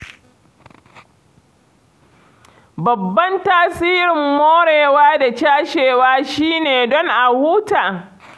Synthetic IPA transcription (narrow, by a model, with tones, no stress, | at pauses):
bɐ˨bːɐ˦ntaː˦siː˦ɾɪ˨mːoː˦ɽeː˨waː˦da˨t͡ʃaː˦ʃeː˨waː˦ʃiː˦neː˨dɔ˦ŋʔa˨huː˦taː˨